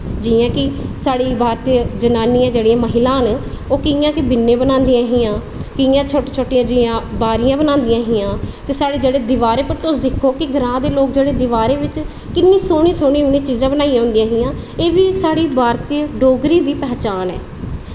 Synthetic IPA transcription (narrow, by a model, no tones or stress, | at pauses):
d͡ʒɪãːkɪsaːɽiːbʱaːɾt̪id͡ʒənaːniːãːd͡ʒeːɽiãːməɦɪlãːn | oːkɪjãːkɪbɪnːẽːbənãːnd̪iːãːɦiːãː | kɪjãːt͡ʃʰoːʈːt͡ʃʰoːʈːɪjãːd͡ʒɪãːbaːɾɪjãːbənaːnd̪ijãːɦiːjãːt̪eːsaːɽeːd͡ʒeːɽeːd̪ɪʋaːɾeːpəɾt̪ʊsd̪ɪkʰːoːkɪɡʱəɾãːd̪eːloːk̚d͡ʒeːɽeːd̪ɪʋaːɾeːʋɪt͡ʃ | kɪnːĩːsoːɽ̃ĩːsoːɽ̃iːɦʊnĩːt͡ʃiːzãːbənaːijãːɦʊ̃nd̪iãːɦiːãː | eːʋiːsaːɽiːbʱaːɾt̪iɖoːɡɾiːd̪iːpɛːt͡ʃaːnɛ̰ː